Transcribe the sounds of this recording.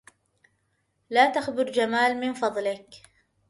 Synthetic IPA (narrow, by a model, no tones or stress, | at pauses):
laːt̪axbɪɾd͡ʒamaːlmɪnfɑðˤlɪk